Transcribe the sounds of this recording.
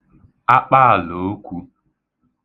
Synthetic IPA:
a˦k͡pa˦a˨lo˨˦kʷu˦

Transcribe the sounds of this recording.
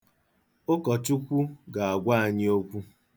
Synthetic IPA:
o˦kɔ˨tu˦kʷu˦ɡa˨a˨ɡʷa˦a˨ɲɪ˦o˦kʷu˦

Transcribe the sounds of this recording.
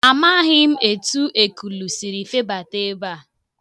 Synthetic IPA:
a˨ma˦ɦɪ˦m̩˦e˨tu˦ʔe˨ku˨lu˨si˨ɾi˨fe˦ba˨te˦ba˦˨

